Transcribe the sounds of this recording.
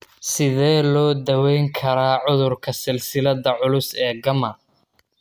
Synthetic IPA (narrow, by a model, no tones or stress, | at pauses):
sɪðɛːlɔːd̪ɐwɛjŋkʰɐɾaːʕʊðʊrkʰɐsɪlsɪlɐðɐʕʊlʊsɛːɡɐmɐ